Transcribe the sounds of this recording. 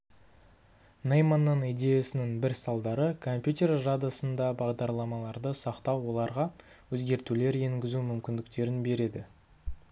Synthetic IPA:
nejmɑnːɑnijd̪ʲe̞jasɪnɪŋbɪɾsɑlˠd̪ɑɾəkʰo̞mpʲjut̪ʲe̞rʒad̪asənd̪ɑbɑʁd̪ɑɾlˠɑmɑlˠɑɾd̪əsɑqt̪ɑwːo̞lˠɑɾʁɑ | wɵzɡʲe̞ɾt̪ule̞ɾje̞ŋɡʲɪzumʏmkʲɪnd̪ɪkt̪e̞ɾɪnbe̞ɾe̞d̪ɪ

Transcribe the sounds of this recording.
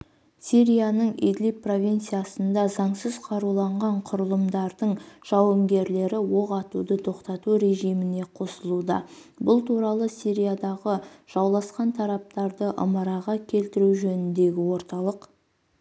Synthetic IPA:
siɾijanəɴḭd̪lipːro̞vʲijnt̪sijasənd̪ɑzɑɴsəzqʰɑɾulˠɑɴʁɑɴqʰʊɾəlˠəmd̪ɑɾd̪əɴʒ̥ɑwəmɡʲe̞ɾle̞ɾɪwoʁɑt̪ud̪ət̪ʰo̞qt̪ɑt̪uɾe̞ʒijmɪne̞qʰo̞səlˠud̪ɑ̰ | bʊlˠt̪ʰuɾɑlˠəsiɾijad̪ɑʁəʒ̥ɑwlˠɑsqɑnt̪ʰɑɾɑp̚t̪ɑɾd̪əʔə̰mɑɾɑʁɑkʲʰe̞lt̪ɪɾuʒɵnɪnd̪e̞ɡʲɪwo̞ɾt̪ɑlˠəq

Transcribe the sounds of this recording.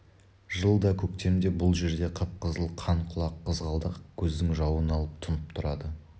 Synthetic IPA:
ʒəlˠd̪ɑkʲʰɵkt̪e̞md̪e̞bʊlˠʒe̞ɾd̪e̞qʰəp̚qəzəlˠqʰɑɴqʰʊlˠɑqʰːəzʁɑlˠd̪əqkʲʰɵzd̪ɪŋʒɑwənɑlˠəp̚t̪ʰʊnəpt̪ʰʊɾɑd̪ə

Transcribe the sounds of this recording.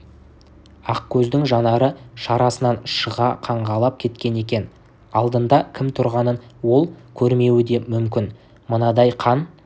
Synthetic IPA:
ɑqkʲʰɵzd̪ɪŋʒɑnɑɾəʃɑɾɑsənɑnʃəʁɑqʰɑɴʁɑlˠɑp̚kʲʰe̞t̪kʲe̞ne̞kʲe̞n | ɑlˠd̪ənd̪ɑkʲʰɪmt̪ʰʊɾʁɑnənwo̞lˠkʲʰɵɾme̞wɪd̪e̞mʏmkʲɪn | mənɑd̪ɑjqʰɑn

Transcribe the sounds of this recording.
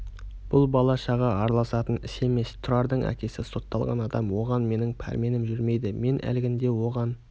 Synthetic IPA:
b̥ʊlˠbɑlˠɑʃɑʁɑɑɾɑlˠɑsɑt̪ənɪse̞me̞st̪ʰʊɾɑɾd̪əɴæ̰kʲe̞sɪso̞t̪ːɑlˠʁɑ̰nɑd̪ɑmwo̞ʁɑnme̞nɪŋpʰæ̰ɾme̞nɪmʒʏɾme̞jd̪ɪme̞nʔæ̰lɡʲɪnd̪e̞wo̞ʁɑn

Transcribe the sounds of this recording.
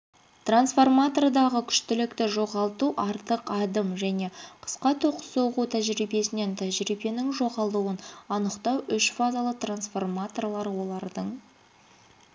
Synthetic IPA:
t̪ransfo̞rmat̪o̞rd̪ɑʁəkʲʰʏ̥ʃt̪ɪlɪkt̪ɪʒo̞ʁɑlˠt̪uʔɑɾt̪əqɑd̪əmʒæne̞qʰə̥sqɑt̪ʰoqə̥so̞ʁut̪ʰæʒɾijbe̞sɪne̞nt̪ʰæʒɾibe̞nɪŋʒo̞ʁɑlˠt̪uənɑnəqt̪ɑwʔʏʃfazalˠət̪ransfo̞rmat̪o̞rlˠɑɾəwo̞lˠɑɾd̪əɴ

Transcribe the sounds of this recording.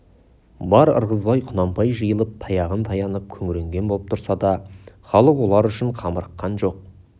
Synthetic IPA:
bɑɾə̰ɾʁəzbɑjqʰʊnɑmpɑjʒəjəlˠəp̚t̪ʰɑjɑʁənt̪ʰɑjɑnəp̚kʲʰɵŋɪɾe̞ŋɡʲe̞nbolˠəp̚t̪ʰʊɾsɑd̪ɑχɑlˠəqwo̞lˠɑɾʏʃɪɴqʰɑməɾəqːɑnʒo̞q̚

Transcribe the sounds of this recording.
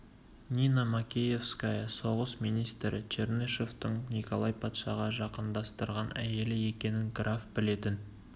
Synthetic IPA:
nʲinamakʲeje̞fskajɑso̞ʁəsmijnijst̪ɾɪ̰t͡ʃerneʃeft̪əɴnʲiko̞lˠɑjpʰɑt̪ʃɑ̰ʁɑʒɑqənd̪ɑst̪əɾʁɑnʔæ̰je̞lɪe̞kʲe̞nɪŋɡrafbɪle̞t̪ɪn

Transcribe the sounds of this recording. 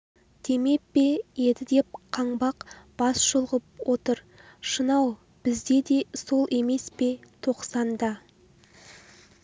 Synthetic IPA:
d̪̥e̞me̞k̚pe̞je̞d̪ɪd̪e̞p̚qʰɑɴbɑqb̥ɑsʒolˠʁəp̚wo̞t̪əɾ | ʃənɑw | b̥ɪzd̪e̞d̪e̞so̞lˠʔe̞me̞spe̞t̪ʰo̞qsɑnd̪ɑ

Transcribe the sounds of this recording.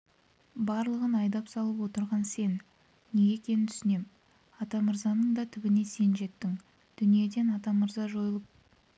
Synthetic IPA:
bɑɾlˠəʁənɑjd̪ɑpsɑlˠəpwo̞t̪əɾʁɑnse̞nː | e̞ɡʲe̞kʲʰe̞nɪnt̪ʰʏ̥sɪne̞m | ɑt̪ɑməɾzɑnəɴd̪ɑt̪ʰɪbɪne̞se̞nʒe̞t̪ːɪŋ | d̪̥ʏnije̞d̪e̞nɑt̪ɑməɾzɑʒo̞jəlˠəp̚

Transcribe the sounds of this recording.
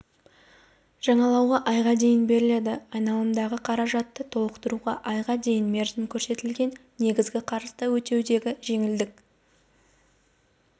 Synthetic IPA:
ʒ̥ɑɴɑlˠɑwʁɑʔɑjʁɑd̪e̞jɪnbe̞ɾɪle̞d̪ɪɑjnɑlˠəmd̪ɑʁəqʰɑɾɑʒɑt̪ːət̪ʰo̞lˠəqt̪əɾuʁɑʔɑjʁɑd̪e̞jɪnme̞ɾzɪmkʲʰɵɾse̞t̪ɪlɡʲe̞nːe̞ɡʲɪzɡʲɪqʰɑɾəsd̪ɑwɵt̪e̞wd̪e̞ɡʲɪʒe̞ŋɪld̪ɪk̚

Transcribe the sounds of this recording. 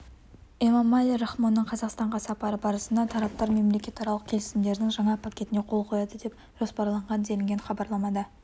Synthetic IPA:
emɑmɑlʲiɾoχmonːəɴqʰɑzɑqst̪ɑɴʁɑsɑpɑɾəbɑɾəsənd̪ɑt̪ʰɑɾɑp̚t̪ɑɾme̞mlekʲe̞t̪ɑɾɑlˠəq̚kʲʰe̞lɪsɪmd̪e̞ɾɪd̪ɪŋʒɑɴɑpʰakʲe̞t̪ɪne̞qʰo̞lˠqʰo̞jɑd̪əd̪e̞p̚ | ʒ̥o̞spɑɾlˠɑɴʁɑnd̪e̞lɪŋɡʲenχɑbɑɾlˠɑmɑd̪ɑ

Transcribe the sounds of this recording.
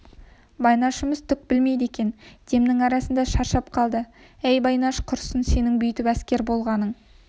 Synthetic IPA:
bɑjnɑʃɪməzt̪ʰʏk̚bɪlme̞jd̪e̞kʲe̞nd̪̥e̞mnɪŋɑɾɑsənd̪ɑʃɑɾʃɑp̚qʰɑlˠd̪ə | æjbɑjnɑʃqʰʊɾsənse̞nɪŋbʏjt̪ɪpæskʲe̞ɾbo̞lˠʁɑnəɴ

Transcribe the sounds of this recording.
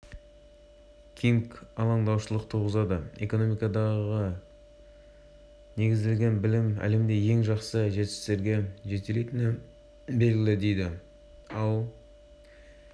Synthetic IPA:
kʲʰiŋkɑlˠɑɴd̪ɑwʃəlˠəqt̪ʰuʁəzɑd̪əe̞ko̞nomijkɑd̪ɑʁə | ne̞ɡʲɪzd̪e̞lʲɡʲe̞nbɪlɪmæ̰le̞md̪e̞je̞ŋʒɑqsəʒe̞t̪ɪ̥st̪e̞ɾɡʲe̞ʒe̞t̪ele̞t̪ɪnɪ | be̞lɡʲɪlɪd̪e̞jd̪ɪ | ɑlˠ

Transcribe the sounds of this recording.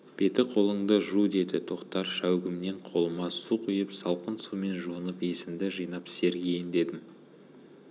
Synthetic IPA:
b̥e̞t̪ɪqʰo̞lˠəɴd̪əʒud̪e̞d̪ɪt̪ʰo̞qt̪ɑɾʃæwɡʲɪmne̞ɴqʰo̞lˠəmɑsuqʰʊjəpsɑlˠqənsume̞nʒuənəpe̞sɪmd̪ɪʒɨjnɑpse̞ɾɡʲeɪnd̪e̞d̪ɪm

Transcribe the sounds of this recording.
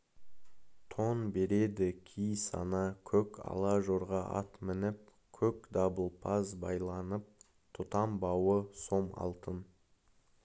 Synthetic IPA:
t̪ʰo̞nbe̞ɾe̞d̪ɪkʲʰijsɑ̰nɑkʲʰɵkɑ̰lˠɑʒo̞ɾʁɑʔɑ̰t̪mɪnɪp̚ | kʲʰɵkd̪ɑbəlˠpʰɑzbɑjlˠɑnəp̚ | t̪ʰʊt̪ɑmbɑwəso̞mɑ̰lˠt̪ən

